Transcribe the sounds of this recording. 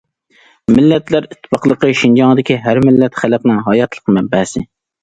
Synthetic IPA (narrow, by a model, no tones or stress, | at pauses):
mɪlːɛt̪læɾɪt̪ʰːɨ̥pɑqlˠəqəʃind͡ʒɑŋd̪ɪkʲiɦæɾmɪlːɛt̪χælɛpnɪŋɦɑjɑt̪ʰlˠə̥qmɛbːɛhsɪ̰